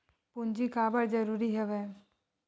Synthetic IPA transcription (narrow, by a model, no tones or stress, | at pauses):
pʊnd͡ʒikaːbəɽd͡ʒəɾuːɾiɦɛʋɛː